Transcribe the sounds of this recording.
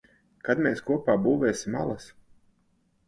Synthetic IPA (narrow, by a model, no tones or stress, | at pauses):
kad̪mʲeːskuɔpaːbuːvɛːsʲimalˠas